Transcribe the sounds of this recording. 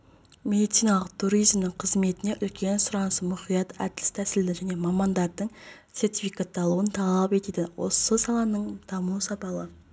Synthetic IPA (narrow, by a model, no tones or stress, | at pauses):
mʲe̞d̪it̪sijnɑlˠəq̚t̪ʰuɾijzmnɪɴqʰəzme̞t̪ɪne̞ʔʏlkʲe̞nsʊɾɑnəsəmʊχijɑt̪æ̰d̪ɪlɪst̪ʰæsɪld̪ɪʒæne̞mɑmɑnd̪ɑɾd̪əɴt̪se̞ɾt̪ifikɑt̪ːɑlˠuənt̪ʰɑlˠɑlˠɑpe̞t̪ed̪ɪwʔo̞̰səsɑlˠɑnəɴd̪̥ɑmusɑpɑlˠə